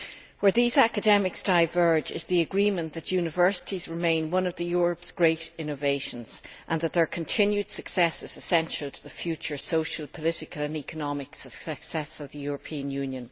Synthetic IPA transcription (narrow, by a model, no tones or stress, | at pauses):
wə˞ðizakɨdɛmɪksd̥aɪvɜ˞d͡ʒɪ̰zðiəɡɹĩmə̃nðɨt͡ʃjʉnɪvɜ˞sɪ̥ɾizɹɪmẽɪ̃nwʌ̃nʌvðəjʊːɹəpsɡ̥ɹeɪɾɪ̃noveɪʃə̃nz̥ʔə̃nðət̪̚ðə˞kʰə̃ntʰɪ̃njʉd̥səksɛsɪz̥ɨsɛ̃nʃəlˠtʰəðəfjʉt͡ʃə˞soʊʃəlˠpʰəlɪɾɪkələ̃nikənɑmɪksəksɛksɛsʌvðəjʊɹəpʰĩə̃njʉ̃njə̃n